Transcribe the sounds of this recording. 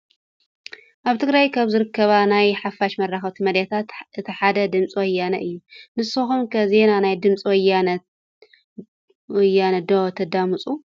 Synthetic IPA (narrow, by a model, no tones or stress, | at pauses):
ʔaβt̪ʰɨɡɾajkʰaβzɨɾɨkʰːɐβanajħafaʃmɐraxɐβt̪ʰumɐd̪jat̪ʰat̪ʔɨt̪ʰiħad̪ɐd̪ɨmt͡sʼiwɔjːanɐʔɨjːunɨsːɨxumkʰɐze̞nanajd̪ɨmt͡sʼwɔjːanɐ | wɔjːanɐd̪ot̪ʰɐd̪amɨt͡sʼu